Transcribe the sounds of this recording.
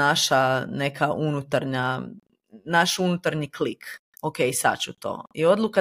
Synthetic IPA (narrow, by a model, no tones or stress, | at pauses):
aʃane̞kʰaʔunut̪aɾɲa | naʃunut̪aɾɲiklik | okejsa̰t͡ɕut̪o̰ːio̞d̪luka